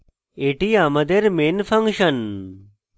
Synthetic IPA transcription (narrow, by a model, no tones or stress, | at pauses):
eːʈijaːmɐd̪eɾmeːnfʰɐŋkʃɐn